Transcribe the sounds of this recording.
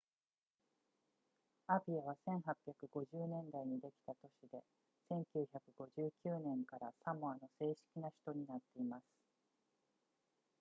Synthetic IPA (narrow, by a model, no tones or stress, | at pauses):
abʲiaβ̞asẽ̞ɰ̃ɦapʲjakɯ̟ɡo̞ʑɨːnẽ̞nd̪aiɲ̟id̪e̞kʲi̥t̪at̪o̞ɕid̪e̞ | sẽ̞ŋkʲɨːçakɯ̟ɡ̥o̞ʑɨːkʲɨːnẽ̞ŋkaɾasamoano̞se̞ːɕi̥kʲinaɕi̥t̪o̞ɲ̟inat̪ːe̞imasɨ̥